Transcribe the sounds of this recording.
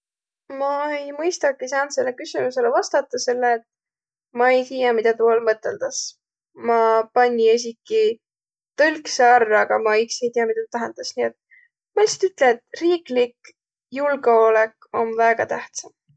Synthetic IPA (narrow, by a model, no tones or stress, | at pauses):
mɑejmɤjst̪ɑkːis̬ɑːnt̪se̞lːekysimuse̞levɑst̪ɑt̪ːˑɑse̞lːeːt̪ | mɑe̞jt̪iːjɑmid̪̥ɑt̪uolmɤt̪ːˑe̞̰ld̪̥ɑs | mɑpɑnʲːies̬ikːˑi | t̪ɤlʲkseɑrːɑɡ̥ɑmɑikse̞jt̪iɑmit̪ɑt̪ut̪æɦend̪̥ɑsnie̞t̪̚ | mɑelʲsi̥t̪yt̪ːleet̪riːklik | julɡeo̞lek | o̞nvæːɡ̥ɑt̪æht̪sɑm